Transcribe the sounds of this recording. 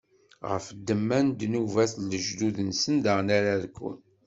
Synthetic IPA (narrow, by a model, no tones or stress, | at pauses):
ʁə̰fd̪ːəmːænd̪nuvæθləʒd̪uðənsənd̪əʁnaɾaðkʷːʊ̰n